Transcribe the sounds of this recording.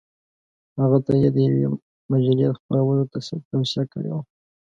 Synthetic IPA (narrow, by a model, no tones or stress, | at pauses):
haɣat̪ajed̪əjawḛ | mad͡ʒaljed̪əxpəɾawənot̪asat̪awsiakəɽḛwa